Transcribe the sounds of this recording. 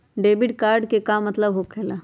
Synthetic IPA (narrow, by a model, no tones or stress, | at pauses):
ɖeːbɪɖkaːɾɖkekamːɐt̪ləbɦokʰeːlaː